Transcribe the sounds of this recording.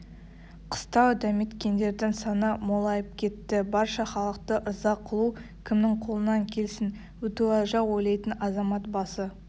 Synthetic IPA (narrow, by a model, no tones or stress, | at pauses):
qʰə̥st̪ɑwd̪æme̞t̪kʲe̞nd̪e̞ɾd̪ɪŋsɑnəmo̞lˠɑjəp̚kʲʰe̞t̪ːɪbɑɾʃɑχɑlˠəq̚t̪əʔəɾzɑqʰːəlˠu | kʲʰɪmnɪŋqʰo̞lˠənɑŋkʲʰe̞lsɪn | wɵt̪uɑʒɑwojlˠɑjt̪ənɑzɑmɑt̪̚bɑsə